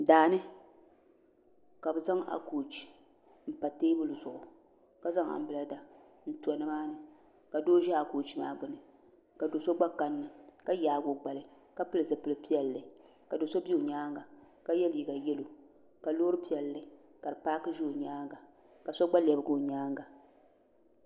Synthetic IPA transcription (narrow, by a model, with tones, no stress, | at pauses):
daː˨nɨ˦ | ka˨bɨ˨za˦ŋa̰˨koː˨t͡ʃi̥˨ | m̩˨pa˨teː˦bʊ˦lɨ˨zʊ˨ʔʊ˨ | ka˦za˦ŋa̰˨m̩˦bɨ˨la˦da˨ | n̩˦tu˨a˨nɨ˦maː˦nɨ˨ | ka˨doː˦ʒɛ˦a˨koː˨t͡ʃi˦ma̰ː˦ɡ͡bʊ˨nɨ˨ | ka˨do˨so˦ɡ͡ba˦ka˦nːɨ˨ka˦jaː˨˦ɡo˨ɡ͡ba˨lɨ˨ | ka˦pɨ˦lɨ˨zɨ˨pɨ˨lɨ˦pi˦ɛ˨lːɨ˨ | ka˨do˨so˦bi˦o˨ɲaː˦ŋɡa˨ | ka˦jɛ˦lji˨ɡa˨jɛ˦lo˨ | ka˨lo˦ɾɨ˦pi˦ɛ˨lːɨ˨ | ka˨dɨ˨pa˦kɨ˦ʒo˦o˨ɲaː˦ŋɡa˨ | ka˨sɔ˦ɡ͡ba˦lɛ˨bɨ˦ɡo˦˨ɲaː˦ŋɡa˨